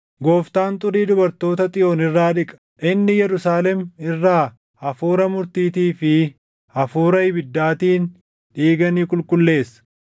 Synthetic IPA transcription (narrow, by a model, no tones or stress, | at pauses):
ɡo̞ːft̪aːnt̪ʼʊɾiːd̪ʊbɐɾt̪o̞ːt̪ɐt̪ʼɪjo̞ːnɪrːaːᶑɪkʼɐ̥ʔɪnːɪjɛɾʊsaːlɛmɪrːaː | ɐfuːɾɐmʊɾt̪iːt̪iːfɪ | ɐfuːɾɐɪbɪd̪ːaːt̪iːn | ᶑiːɡɐniːkʼʊlkʊlːe̞ːsːɐ̥